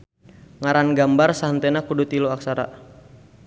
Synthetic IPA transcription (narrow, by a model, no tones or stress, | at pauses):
ŋaɾanɡambarsaɦənt̪enakudut̪iloaksaɾa̰